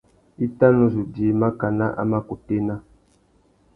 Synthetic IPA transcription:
i˦ta˦nɔ˦zu˨di˨˦ma˦ka˨na˦ʔa̰˦ma˦ku˨te˦na˦

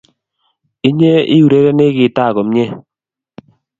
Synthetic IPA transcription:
ɪ˦ɲe˦ɪ̰˦u˨ɾe˦ɾe˦nɪ˦ɡɪ˨˦ta˦˨kɔ˨me˦

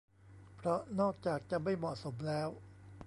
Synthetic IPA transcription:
pʰɾɔ˦˥nɔː˥˩k̚t͡ɕaː˨˩k̚t͡ɕa˨˩ma˥˩jmɔ˨˩so˩˦mlɛː˦˥w

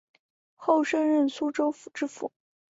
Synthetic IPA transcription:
xo˥˩ʊʂə˥nɻə˥˩nsu˥ʈ͡ʂo˥ʊfu̥˨˩ʈ͡ʂɻ̩˥fṵ˨˩˦

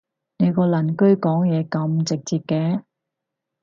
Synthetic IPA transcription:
ne˨˧jkɔː˧lɐ˨˩nkɵ˥ɥkɔː˨˥ŋjɛː˨˧kɐ˨˧mt͡sɪ˨k̚t͡siː˨˧p̚kɛː˧

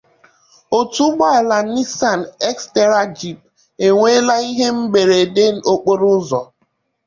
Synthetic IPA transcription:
o˨tu˦ɡ͡ba˦˨la˨ni˦sa˨n˨ɛ˦kste˦ɾa˦d͡ʒi˦˨p̚ | e˨ŋʷe˦la˦i˦ɦe˦m̩˦be˨ɾe˨de˦n̩˦o˦k͡po˦ɾʊ˦zɔ˨

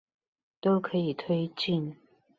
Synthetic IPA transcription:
t̪o˥ʊkʰɤ˧˥i˨˩t̪ʰwe˥ɪt͡ɕi˥˩n

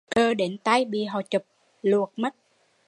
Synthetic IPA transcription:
kəː˧ɗe˨˦nt̪a˧jɓḭ˨ɦɔ˨˩t͡ɕə˨˩p̚ | lu˨˩ək̚mə˦˥t̚

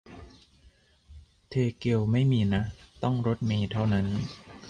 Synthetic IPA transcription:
t̪ʰeː˧ke˧wma˥˩jmiː˧na˦˥t̪ɔ˥˩ŋɾo˦˥t̪̚miː˧t̪ʰa˥˩wna˦˥n

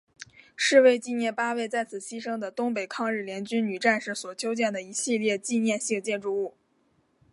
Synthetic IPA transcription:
ʂɻ̩˥˧we˥˧ɪt͡ɕi˥˧njɛ˥˩npa˥we˥˧ɪt͡sa˥˩ɪt͡sʰɹ̩˨˩ɕi˥ʂɤ˥ŋd̪ə˨t̪ʊ˥ŋp̬e˨˩ɪkʰɑ˥˧ŋɻ̩˥˩ljɛ˧˥nt͡ɕy˥nny˨˩ʈ͡ʂa˥˧nʂɻ̩˥˩swɔ˨˩t͡ɕʰjo˥ʊt͡ɕjɛ˥˩nd̪ə˩i˧˥ɕi˥˧ljɛ˥˧t͡ɕi˥˧njɛ˥˧nɕi˥˧ŋt͡ɕjɛ˥˧nʈ͡ʂu˥˧u˥˩

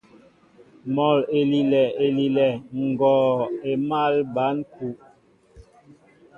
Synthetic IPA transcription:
mɔ˨le˨li˨lɛ˨e˨li˨lɛ˨ŋ̩˨ɡɔː˨e˨ma˦˨lba˨˦nku˨ʔ

